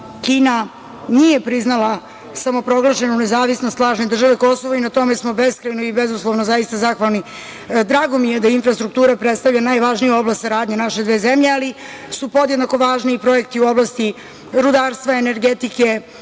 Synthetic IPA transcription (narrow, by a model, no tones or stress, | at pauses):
kiːna | nije̞pɾiznalˠa | samo̞pɾo̞ɡlˠaʃe̞nounezaːʋisnost̪lˠaːʒned̪ɾr̩ʒaʋeko̞soʋoinat̪o̞mesmo̞beskɾajnoibezuslˠoʋnozaist̪azaxʋalˠni | d̪ɾaːɡo̞mijed̪ainfɾast̪ɾuk̚t̪uːɾapɾet̪st̪avʎanaːjʋaʒnijao̞blast̪saɾaːd̪ɲanaʃed̪ʋeːzemʎeali | supo̞d̪jed̪nako̞ʋaːʒniːpɾo̞e̞k̚t̪iuo̞blˠast̪i | ɾud̪aːɾst̪ʋaene̞ɾɡet̪ike̞